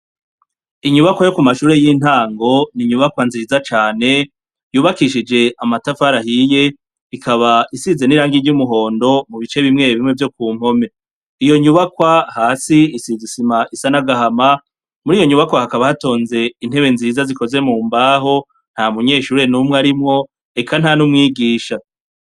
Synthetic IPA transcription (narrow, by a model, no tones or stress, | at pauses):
iɲuβakwajo̞kumaʃuːɾe̞jiːn̥haːŋɡo̞niɲuβakwanzizat͡ʃaːne̞ | juːβakiʃid͡ʒe̞amatafaɾahije̞ | ikʰaβaʔisize̞niɾaːŋɡiɟumuɦo̞ːndo̞muβit͡ʃe̞βimŋe̞βimŋe̞vjo̞k̚uːm̥ho̞me̞ | ijo̞ɲuβakwahaːsiisizisimaʔisanaɡahama | muɾiːjo̞ɲuβakwahakaβahato̞ːnze̞in̥he̞βe̞nziːzaziko̞ze̞muːmbaːɦo̞ | n̥hamuɲe̞ːʃuːɾe̞numwaɾimŋo̞ | e̞kʰan̥hanumŋiːɡiːʃa